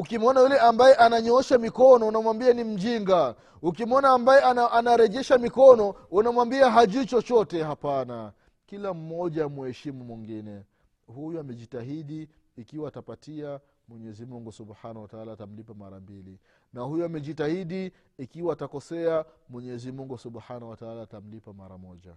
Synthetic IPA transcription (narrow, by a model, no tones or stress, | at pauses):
ukimɔnajulɛʔambajɛʔanaɲɔɔʃamikɔnɔunamwambianim̩ʄiŋɡa | ukimɔnaːmbajɛaʔanaɾɛʄɛʃamikɔnɔunamwambiaɦaʄut͡ʃɔt͡ʃɔtɛhapana | kilam̩ːɔʄamuɛʃimumwiŋɡinɛ | hujuamɛʄitaɦiɗiː | kiwaːtapatia | mwɛɲɛzimuŋɡusubhanawataalaːtam̩lipamaɾambili | nahujuamɛʄitahiɗi | ikiwaːtakɔsɛamwɛɲɛzimuŋɡusuɓhanawataalaːtam̩lipamaɾa̰mɔʄa̰